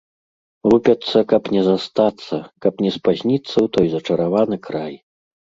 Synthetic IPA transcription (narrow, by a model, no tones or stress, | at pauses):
lupʲɐt̪sːɐkɐpnʲɛzast̪at̪sːɐkɐpnʲɛspazʲnʲit̪sːɐwt̪ɔjzɐt͡ʂɐɾavanɨkɾaj